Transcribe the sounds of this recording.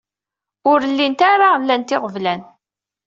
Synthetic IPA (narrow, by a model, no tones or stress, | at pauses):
ʊɾəlːint̪aɾalːænt̪ɪʁəvlæn